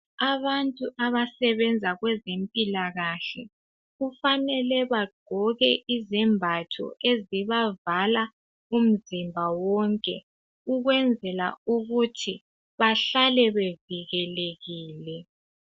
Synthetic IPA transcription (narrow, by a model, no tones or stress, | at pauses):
aβantʼuʔaβasɛβɛnd͡zʱaɣwɛzempʼilaɣaɬɛ | ɣufanɛlɛβaɡ͡ǃʱɔɣɛʔizɛmbʱatʰɔ̰ʔeziβavala | um̩zimbʱawɔŋkʼɛ | uɣwɛnd͡zʱɛlauɣutʰi | βaɬalɛβeviɣɛleɣiːlɛ